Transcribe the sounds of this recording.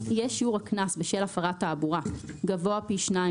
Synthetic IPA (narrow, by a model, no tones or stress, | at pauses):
ijeʃiuʁhaknasbeʃelafaʁatːaːbuʁaɡavoapiʃna